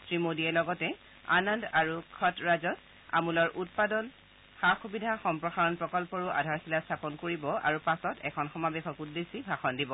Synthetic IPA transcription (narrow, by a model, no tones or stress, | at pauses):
tɹimodiɛlɔɡɔtɛ | a̰nɔndaɹukʰɔtɹazɔt | a̰mulɔɹʔut̚padɔn | xaxubidʱaxɔmpɹɔxaɹɔnpɹɔkɔlpɔɹuʔa̰dʱaɹxʰilastʰapɔnkoɹibɔa̰ɹupasɔtɛkʰɔnxɔmabɛxɔkudesibʱaxɔndibɔ